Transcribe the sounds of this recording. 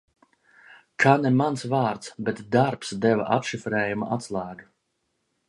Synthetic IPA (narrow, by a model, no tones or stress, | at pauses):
kʰanɛmansvaːɾt̪sbɛt̪d̪aɾpsd̪ɛva̰ʔa̰pʃifɾɛːjumaat̪slˠaːɡ